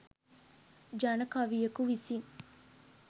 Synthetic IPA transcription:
d͡ʒɐnəkaʋijɐkuʋisiŋ

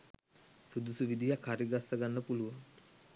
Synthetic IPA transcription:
sud̪usuʋid̪ijakhaɾiɡasːəɡanːəpuluʋaŋ

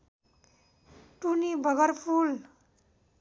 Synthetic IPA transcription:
ʈunibʱʌɡʌɾpʰul

